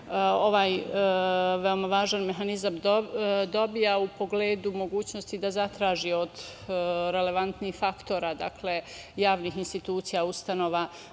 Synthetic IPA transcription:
o̞ʋaːj | ʋe̞omaʋaːʒanme̞ɦanizam | d̪o̞bijaupo̞ɡleːd̪umo̞ɡuːt͡ɕno̞st̪id̪azat̪ɾaːʒio̞d̪ | ɾe̞le̞ʋant̪niːxfakt̪o̞ːɾad̪akʰle̞jaːʋniːxinst̪it̪uːt̪sijaust̪ano̞ːʋa

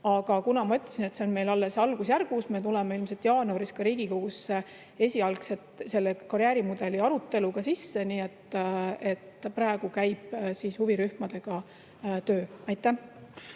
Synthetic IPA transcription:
ɑɡ̥ɑkunɑmɑyt̪ːˑɑ̥sinet̪se̞o̞nme̞jlɑlːe̞sɑlɡ̥usjærɡ̥usme̞t̪̬ule̞meilmset̪jɑːnuɑɾiskɑɾiːɡ̥iko̞ɡ̥usːe | e̞sʲiɑlkset̪se̞lːekɑɾjæːɾimud̪̥e̞liɑɾut̪ːˑe̞luɡ̥ɑsisːe̞niːet̪ːe̞t̪ːprɑeɡ̥ukæjb̥siːshuviɾyhmɑd̪̥e̞ɡ̥ɑ | t̪øːɑjt̪ːˑæh

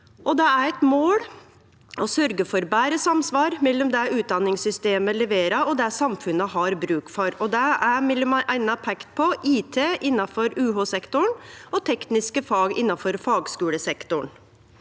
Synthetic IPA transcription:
ʔɔd̪ɛæɾɛt̪moːɽ | ʔɔsœɾɡəfɔɾbæːɾəsɑmsʋɑːɾmɛlːɔmd̪ɛʉːt̪̚d̪ɑnːɪŋsʏst̪eːməlɛʋeːɾɑɔd̪ɛsɑmfʉnəɦɑɾbɾʉːk̪fɔɾɔd̪ɛæmɛlːɔmɑʔæɪnːɑpʰɛkt̪̚pʰɔʔiːt̪ʰeːʔɪnːɑfɔɾʉːɦosɛkt̪ʊɳɔt̪ʰɛknɪskəfɑːɡɪ̰nːɑfɔɾfɑːɡskʉːɽəsɛkt̪ʊɳ

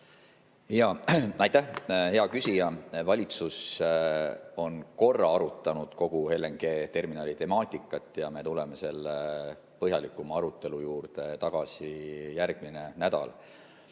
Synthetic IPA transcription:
ijɑɑjt̪ːæhhe̞ɑkysʲijɑvɑlʲit̪sus | o̞nko̞rːɑɑɾut̪ːˑɑnud̪̥ko̞ɡ̥uhe̞lːeŋɡ̥e̞ːt̪e̞rminɑːlit̪e̞mɑːt̪ʲˑikːˑɑt̪ːˑjɑme̞t̪ule̞mese̞lːe | pɤɦjɑlikːˑumɑɑɾut̪ˑːe̞lujuːrt̪e̞t̪ɑɡ̥ɑsijærɡ̥̚mine̞næd̪ɑ̰l

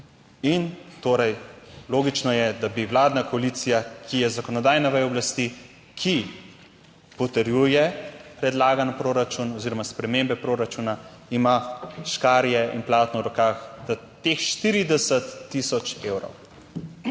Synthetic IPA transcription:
int̪oːɾɛjloːɡit͡ʃnɔjɛd̪abiwlaːd̪nakɔalit̪sijakʰijɛzakɔnɔd̪aːjnaʋɛjɔblast̪i | kʰi | pɔt̪ɛɾjuːjɛpɾɛd̪laːɡanpɾoːɾat͡ʃunɔziːɾɔmaspɾɛmembɛpɾoːɾat͡ʃuːna | imaʃkaːɾjɛḭnplaːt̪nɔɾɔkaxd̪a | t̪exʃt̪iɾid̪ɛsət̪ːisɔt͡ʃewɾo̰w

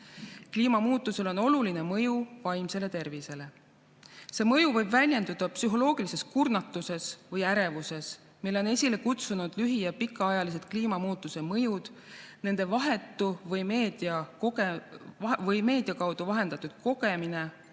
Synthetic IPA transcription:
kliːmɑmuːt̪ːˑuse̞lo̞no̞lulinemɤ̞juvɑjmse̞le̞t̪e̞rvise̞le̞ | se̞ːmɤjuvɤjbvælʲje̞nd̪ud̪̥ɑpsyɦo̞lo̞ːɡ̥ilise̞skurnɑt̪ːˑuse̞svɤjæɾe̞vuse̞s | milːeo̞ne̞sʲile̞kut̪sunud̪̥lyɦijɑpikːˑɑɑjɑlis̬e̞d̪̥kliːmɑmuːt̪ːˑuse̞mɤ̞jud̪̥ne̞nd̪̥e̞vɑɦe̞t̪ˑːuvɤjme̞ːd̪̥iɑkoe | vɤjme̞ːd̪̥ijɑkɑwd̪̥uvɑɦe̞nd̪̥ɑt̪ːˑud̪̥̚ko̞ɡe̞mine̞

